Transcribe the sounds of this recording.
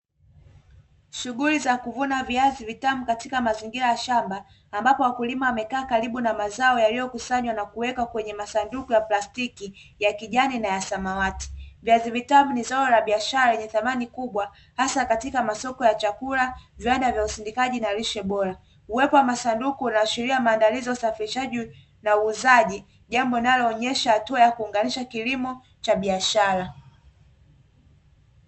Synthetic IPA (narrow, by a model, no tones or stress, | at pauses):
ʃuɠulizakuvunaviazivitamukatikamaziŋɡiɾajaʃambaː | mbapɔwakulimawamɛkaːkaɾiɓunamazaɔjalijɔkusaɲwanakuwɛkakwɛɲɛmasandukujaplastikijakiʄaninajasamawati̥viazivitamunizaɔlaɓiaʃaɾaɛɲɛθamanikuɓwa | hasakatikamasɔkɔjat͡ʃakulaviwandavjausindikaʄinaliʃɛɓɔɾa | uwɛpɔwamasandukuːnaːʃiɾiamaːndaliziausafiɾiʃaʄi | nauːzaʄi | ʄambɔinalɔːɲɛʃahatuajakuːŋɡaniʃakilimɔ | t͡ʃaɓiaʃaɾa